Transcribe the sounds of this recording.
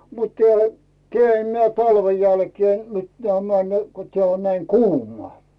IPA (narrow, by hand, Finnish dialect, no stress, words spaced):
mut teæˑlæ̥ keæˑ m tɑlʋen̞ jælkeː mit tæmæ ne ko teæˑ on næi kuːmˑŏɑˑ